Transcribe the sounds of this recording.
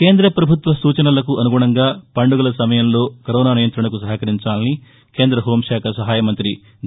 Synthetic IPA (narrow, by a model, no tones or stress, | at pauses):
ke̞ːnd̪ɾɐpɾɐbʱut̪ʋɐsuːt͡ʃɐnɐlɐkuʔɐnuɡuːɳɐŋɡaːpɐɳɖuɡɐlɐsɐmɐjɐmlo̞ːkɐɾɔːnaːnijɐnt̪ɾɐɳɐkusɐɦɐkɐɾiɲt͡ʃaːlɐni | ke̞ːnd̪ɾɐɦo̞ːmʃaːkʰɐsɐɦaːjɐmɐnt̪ɾi